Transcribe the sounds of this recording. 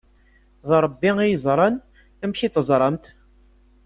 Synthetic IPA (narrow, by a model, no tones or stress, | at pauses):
ðɾˤəbːiŋijəzˤɾˤɑn | æmçiθəzˤɾˤɑmt̪